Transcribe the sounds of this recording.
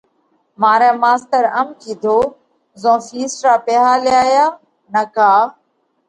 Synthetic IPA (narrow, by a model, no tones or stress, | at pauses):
maːɾɛ̃ːmaːst̪əɾəmkĩːd̪ʱoː | zõːfiːsʈɾaːpeɦaːlɪjaːjaː | nəkaː